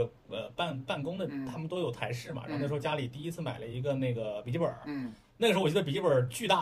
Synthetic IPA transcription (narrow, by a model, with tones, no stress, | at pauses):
ə˧ | ə˧pa˥˧npa˥˩nkʊ˥ŋd̪ə˨t̪ʰa˥mə˨nt̪o˥ʊjo˨˩ʊt̪ʰa˧˥ɪʂɻ̩˥˩mɐ̰˩a̰˥˨˧ja˥li˨˩t̪i˥˩i˥t͡sʰɹ̩˥˩ma̰˨˩ɪlə˦i˧˥ɡə˧ne˥˩ɪɡə˩pi˨˩t͡ɕi˥˩ə̰˞˨˩˦ | na˥˩əʂɻ̩˥wɔ˨˩˧ə˧pi˨˩t͡ɕi˥˩ə˞˨˩t͡ɕy˥˧t̪a˥˩